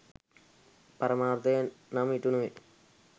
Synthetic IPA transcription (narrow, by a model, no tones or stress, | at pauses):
pɐɾɐmaːrt̪ɐjɐnnaːmiʈːunːuʋe